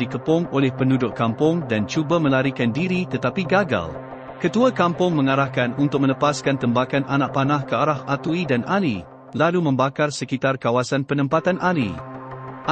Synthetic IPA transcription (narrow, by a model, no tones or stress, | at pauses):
dikəpʊŋolɛhpəndudʊʔkampʊŋdant͡ʃubamə̃laɾikandiɾit̪ət̪apiɡaɡa̰l | kət̪uakampʊŋmə̃ŋaɾahkanunt̪ʊk̚mə̃ləpaskant̪əmbakanʔanãʔ̚panãhkəaɾahat̪uidanali | lalumə̃mbakarsəkit̪arkawasanpənə̃mpat̪anʔalḭ